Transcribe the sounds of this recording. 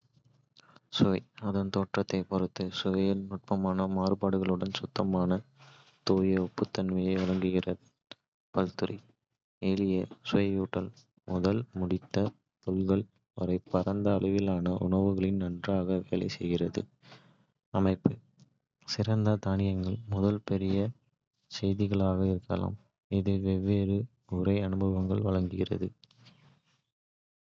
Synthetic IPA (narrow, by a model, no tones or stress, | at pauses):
sʊʋɐɪɐðɐnt̪oːʈrɐt̪ːɐɪpɔɾɯt̪ːɯsʊʋɐjɪlnʊʈ̚pɐmaːnɐmaːrɯbaːɽɯɣɐɭɯɽɐnsʊt̪ːɐmaːnɐ | t̪oːjɐɔpːɯt̪ːɐnʋɐjɐɪɔɻɐŋɡɯɣɪrɐðɯ | pɐlt̪ɯɾḭ | eːlɪjɐsʊʋɐɪjuːʈːɐl | mʊðɐlmʊɽɪt̪ːɐ | p̪ɔlɣɐɭ | ɐɾɐɪpːɐɾɐnd̪ɐːɭɯʋɪlaːnɐʔʊ̰ɳɐʋɯɣɐɭɪnnɐndraːɣɐʋeːlɐ̰ɪsɛjɣɪrɐðɯ̰ | ɐmɐɪpːɯ | sɪɾɐnd̪ɐd̪aːɳɪjɐŋɡɐɭmʊðɐlpɛɾɪjɐ | sɛjðɪɣɐɭaːɣɐɪɾɯkːɐla̰ːm | ɪðɯʋɛʋːeːɾɯ | ʊrɐɪɐnɯbɐʋɐŋɡɐɭʋɐɭɐŋɡɯɣɪrɐ̰ðɯ